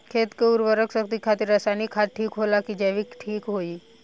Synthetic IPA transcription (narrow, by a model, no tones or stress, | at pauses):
kʰet̪keuɾʋəɾəksək̚t̪ikʰat̪iɾasajnikʰːat̪̚ʈʰːiːkɦolakid͡ʒɛʋikʈʰiːkɦoiː